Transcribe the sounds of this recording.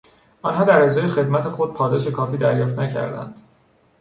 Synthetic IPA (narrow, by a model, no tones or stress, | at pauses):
ɒnɦɒːd̪æɾezɒːjexe̞d̪mæt̪ʰe̞xo̞d̪̚pʰɒːd̪ɒːʃe̞kʰɒːfiːd̪æɾjɒːft̪næcʰæ̰ɾd̪æ̰nd̪̥